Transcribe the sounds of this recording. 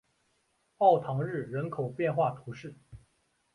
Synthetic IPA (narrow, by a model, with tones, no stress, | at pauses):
ɑ˥˩ʊt̪ʰɑ˧˥ŋɻɻ̩˥˩ɻə˧˥nkʰo˨˩ʊpjɛ˥˧nxwa˥˩t̪ʰu˧˥ʂɻ̩˥˩